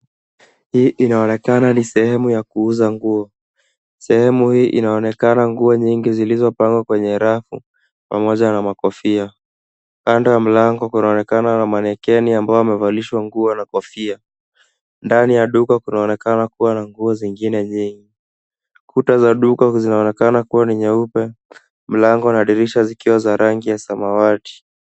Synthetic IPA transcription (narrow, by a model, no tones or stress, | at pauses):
hiːʔinaɔnɛkananisɛhɛmujakuuzaŋɡuɔ | sɛhɛmuhiːʔḭnaɔnɛkanaŋɡuɔɲiŋɡizilizɔpaŋɡwakwɛɲɛɾafṵ | pa̰mɔʄanamakɔfia | kandɔjam̩laŋɡɔkunaɔnɛkananamanɛkɛniambaɔamɛvaliʃwaŋɡuɔnakɔfia | ndanijaɗukakunaɔnɛkanakuwanaŋɡuɔziŋɡinɛɲiŋɡi | kutazaɗukazinaɔnɛkanakuwaniɲɛupɛ | m̩laŋɡɔnaɗiɾiʃazikiwazaɾaŋɡijasamawati̥